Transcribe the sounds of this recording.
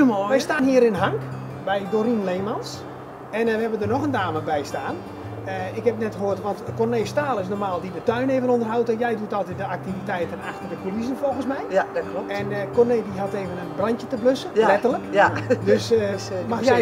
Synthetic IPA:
ʋɛjstaːnɦiəɾɪnɦaŋk | bɛjdoɾinleːmans | ɛnɛʋəɦɛbədərnɔxəndaːməbɛjstaːn | əɪkhɛp̚nɛtxəɦoərtʋɔntkorneːstaːlˠɪs̬normaːlˠdidətœɥneːvənondərɦawtɔjɛjdutɔlˠtɛt̚dəak̚tivitɛjtəna̰xtərdəfəlizənfolˠɣənsmɛjklɛnkɔrnejdiɦateːvənənbranjətəbløsəlɛtərləkdøsmaxjɛ

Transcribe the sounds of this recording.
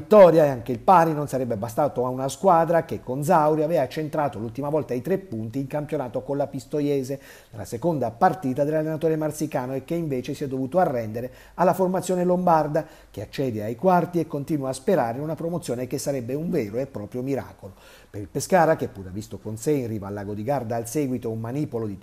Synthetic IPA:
vit̪ːɔːɾjaeaŋk̟eilpaːɾinonsaɾɛbːebas̬t̪aːt̪oaunaskwaːd̪ɾak̟ekːond̪zawɾiavɛːvat͡ʃent̪ɾaːt̪olult̪imavɔlt̪ait̪ɾepːunt̪iːŋkampjonaːt̪okonlapist̪ojɛːze | nela̰sekond̪apart̪iːt̪ad̪elːalːenat̪oːɾemart̪sikaːnoekːeiɱveːt͡ʃesiɛd̪ovuːt̪oarːɛnd̪eɾe | alːaformat̪sjoːnelombard̪a | k̟eat͡ʃːɛːd̪eajkwart̪iekːont̪iːnwaːspeɾaːɾeunapɾomot̪sːjoːnekesːaɾɛbːeuɱvɛːɾoepːɾɔːpɾjomiɾa̰ːkolo | peɾilpeskaːɾak̟epːuːɾavist̪okonseinriːvaːlːaːɡod̪iɡard̪aːlsɛːɡwit̪oummːaniːpolod̪i

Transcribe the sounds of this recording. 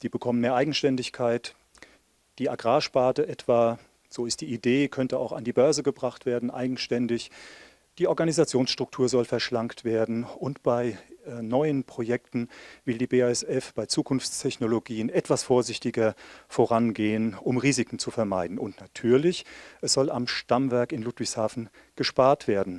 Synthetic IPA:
d̥iːbəkʰɔmənmeːɐʔaɪɡŋ̩ʃtɛndɪçkʰaɪt | d̥iːaɡʁaːʃpaːtəʔɛtv̥aː | z̥oːɪst̚d̥iːʔideːkʰœntəaʊxandiːbœɐzəɡəbʁaχtv̥eːɐdn̩ʔa̰ɪɡŋ̩ʃtɛndɪç | d̥iːʔɔɐɡanizat͡sjoːnsʃtʁ̥ʊk̚tʰuːɐzɔlfɛɐʃlaŋktv̥eːɐdn̩ʊntb̥aɪnɔʏənpʁ̥ojɛktn̩vɪldiːbeaɛsɛfb̥aɪt͡suːkʰʊnft͡stʰɛçnoloɡiːənɛtv̥asfoːɐzɪçtɪɡɐfoʁanɡeːənʊmʁiːzɪkŋ̩t͡sufɛɐmaɪdn̩ʊntnatʰyːɐlɪçʔɛsz̥ɔlamʃtamvɛɐkɪnluːtv̥ɪçshaːfn̩ | ɡ̥əʃpaːɐtv̥eːɐdn̩

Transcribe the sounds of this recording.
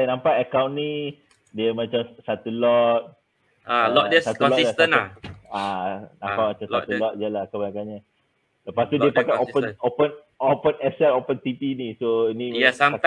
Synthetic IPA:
ajnãmpaʔəkaw̃nni | diəmãt͡ʃamsat̪ulɔt̪̚ | alɔdəsat̪ulɔsiasənaanãmpamat͡ʃamsat̪ulɔt̪̚ijalakabanakaɲa | ləpast̪udiəpakaopənopən | opənɛsɛlopənt̪ipinisoinĩasaa

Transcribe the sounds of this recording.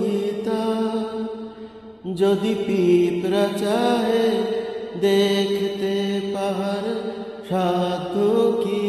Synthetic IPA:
it̪a | d͡ʒod̪ipiːpɾət͡ʃaːɦe | d̪eːkʰt̪epɐɦəɾ | ʃaːd̪ʱːoki

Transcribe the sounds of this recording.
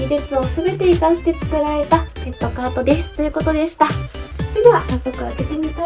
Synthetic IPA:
id͡ʑɨt͡sɨo̞sɨbe̞t̪e̞ikaɕi̥t̪e̞t͡sɨ̥kɯ̟ɾaɾe̞t̪aet̪ːo̞kaːt̪o̞d̪e̞sɨ̥t̪o̞jɯ̟ko̞t̪o̞d̪e̞ɕi̥t̪ḁt͡ɕid̪oahaɕokɯ̟βat̪e̞kʲiɲ̟it̪a

